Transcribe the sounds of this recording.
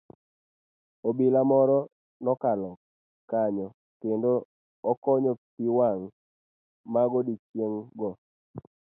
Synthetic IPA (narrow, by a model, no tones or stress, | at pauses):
obilamɔɾɔ | nɔkalɔ | kaɲɔ | kendoː | kɔɲɔpiwaŋ | maɡɔdit͡ʃjeŋɡɔ